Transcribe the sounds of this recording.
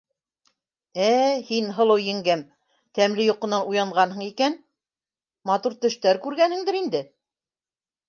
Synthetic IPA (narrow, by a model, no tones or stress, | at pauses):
æhinɦɤ̆lˠɤwjɘ̆ŋɡæm | t̪æmlɘjŏqɤ̆nɑnujɑɴʁɑnɦɤ̆ɴikæn | mɑt̪uɾt̪ɵ̆ʃt̪æɾkʉɾɡænhɘ̆ŋd̪ɘɾind̪ɘ